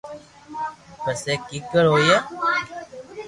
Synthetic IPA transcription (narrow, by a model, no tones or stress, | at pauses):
pəseːkiːkəɾɦoːjaː